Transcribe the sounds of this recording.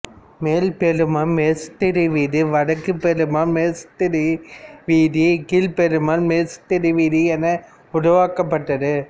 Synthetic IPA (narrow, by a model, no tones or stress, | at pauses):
meːlpeɾɯmaːmeːst̪ɪɾiʋiːðɯʋɐɽɐkːɯpɛɾɯmaːmeːst̪ɪɾiʋiːðikiːlpɛɾɯmaːlmeːst̪ːɪɾiʋiːðiɛnːɐ | ʊɽʊʋaːkɐpːɐʈːɐðɯ